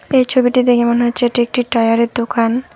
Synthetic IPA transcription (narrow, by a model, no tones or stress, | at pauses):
ejt͡ɕʰobiʈid̪ekʰemonɦoːt͡ɕʰeeʈiek̚ʈiʈajaɾeɾd̪okʰan